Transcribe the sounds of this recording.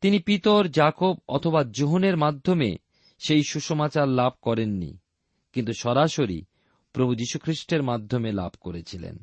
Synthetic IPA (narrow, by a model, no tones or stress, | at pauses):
t̪inipit̪oɾd͡ʑakobɔ̰t̪ʰobad͡ʑoɦoneɾmad̪ʱːomḛ | ʃejʃuʃomat͡ɕaɾlab̚ʱkɔɾenːḭ | kint̪uʃɔɾaʃoɾḭ | pɾobʱud͡ʑiʃukʰɾiʃʈeɾmad̪ʱːomela̰bʱkoɾet͡ɕʰilḛn